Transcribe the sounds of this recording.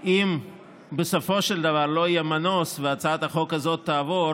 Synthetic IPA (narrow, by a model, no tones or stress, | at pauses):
ʔim | beso̞fo̞ʃeld̪avaʁlo̞ijemanosveat͡saat̪aχo̞kazo̞t̪ːaːvo̞